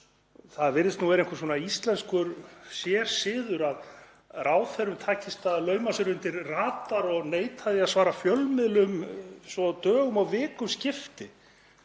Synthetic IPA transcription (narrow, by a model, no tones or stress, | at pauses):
θaðvɪɾðɪst̪nuɛɾejŋkʏɾ̥s̬ɔːnaist̪lɛnskʏɾsjɛɾ̥sɪːðʏɾað | raːwθɛɾʏmt̪ʰaːcɪst̪aðlœːɥmasɛɾʏnt̪ɪɾraːt̪aɾɔɣneːjt̪ʰhaðɪaðsvaːɾafjœlmɪðlʏmsɔt̪œːɣʏmaɣvɪːkʏmscɪft̪ɪ